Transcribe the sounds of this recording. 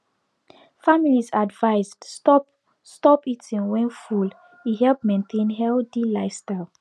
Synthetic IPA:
familizadvaɪzdɔ | stɔpitʰĩnwɛ̃nful | iɦɛlp̚mẽntʰẽnɦɛldilaɪstaɪlˠ

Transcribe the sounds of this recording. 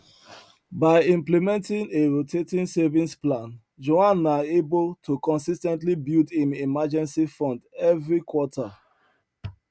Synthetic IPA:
baɪĩmplimɛ̃ntĩŋeɹotʰetĩnsɛvĩnsplãn | d͡ʒoãnaeboltʰukɔ̃nsistɛ̃ntlibildhĩmimad͡ʒɛ̃nsifɔ̃ndɛvɹikʰwɔtʰa

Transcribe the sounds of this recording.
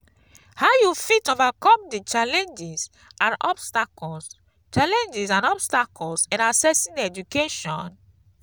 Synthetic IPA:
haʊjufitovakɔ̃mdit͡ʃalɛ̃nd͡ʒis | ãnɔbstakɔls | t͡ʃalɛ̃nd͡ʒisãnɔbstakʰɔlsɛ̃nasɛsĩndɛd͡ʒukeʃɔ̃n

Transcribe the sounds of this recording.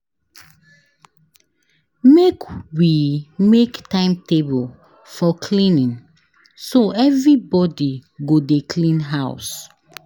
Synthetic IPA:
mekwimektãɪ̃mtebəl | fɔkʰlĩnĩŋ | soɛvɹibɔdiɡodekʰlĩnɦaʊs

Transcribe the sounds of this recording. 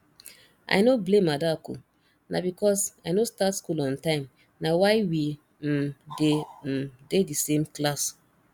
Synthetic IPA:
a̰jnoblẽmadakṵ | na̰bikɔsajnostatskulɔ̃ntãɪ̃m | nawaɪwi | dededisẽmklas

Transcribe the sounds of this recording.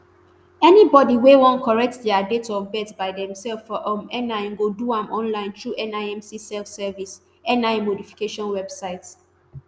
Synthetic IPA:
ɛnibɔdiwewɔ̃nkʰɔɹɛk̚tdɛadetɔbɛtsbaɪdɛ̃msɛlfɔʔɔ̃mɛnaɪ̃nɡoduãmʔɔ̃nlãɪ̃ntɹuʔɛ̃naɪɛ̃msisɛlfsɛvis | ɛ̃naɪmodifi̥keʃɔ̃nwɛb̥saɪt

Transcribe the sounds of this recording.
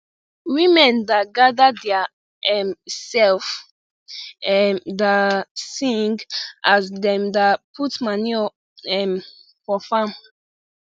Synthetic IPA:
wĩmɛ̃ndaɡadadɛa | ɛmsɛlf | ɛmdasĩŋɡasdɛ̃mdapʰutmaniɔ | ɛm | fɔfãm

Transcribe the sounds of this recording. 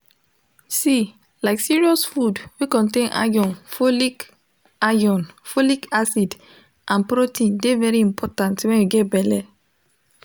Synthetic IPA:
si | laɪksiɹiɔsfudwikɔ̃ntẽnʔa̰ɡɔ̃nfolik | ajɔ̃nfolikasid | ʔãnpɾotĩndevɛɹiĩmpʰɔtãntwɛ̃njuɡɛtbɛlɛ

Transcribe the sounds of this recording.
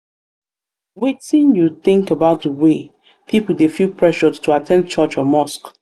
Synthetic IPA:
wetĩnjuθɪ̃ŋkəbaʊt̚dəwe | pʰipudefupʰɹɛʃɔstʰuatʰɛ̃nt͡ʃɔt͡ʃɔmɔsk

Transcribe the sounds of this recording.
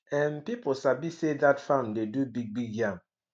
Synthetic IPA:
ɛ̃npiposabisedatfãmdedubiɡ̚biɡjãm

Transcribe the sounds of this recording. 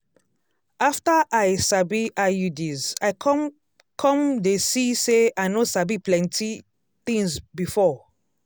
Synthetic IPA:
aftaʔajsabiʔajudiza | kʰɔ̃mdesiseajnosabiplɛ̃ntʰi | t̪ĩŋzbifɔ

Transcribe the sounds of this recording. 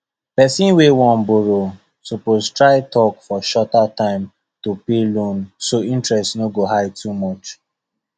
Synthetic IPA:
pɛsĩnwewɔ̃nboɹo | sopoztɹaɪtʰɔkfɔʃɔtatãɪ̃m | topelõnsoĩntɹɛstnoɡoɦaɪtʰumɔt͡ʃ

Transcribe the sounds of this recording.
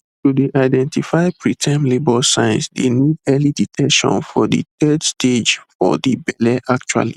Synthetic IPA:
tudiʔaɪdɛ̃ntifaɪpɹitʰɛ̃mlebɔsãj̃nsdenidɛliditʰɛkʃɔ̰̃nfɔdḭt̪ɛdstʰed͡ʒfɔ̰dibɛlɛʔakt͡ʃua̰lḭ

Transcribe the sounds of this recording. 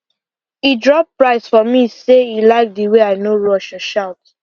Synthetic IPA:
idɹɔp̚pɹaɪsfɔmiseilaɪk̚diweaɪnoɹɔʃɔʃaʊt

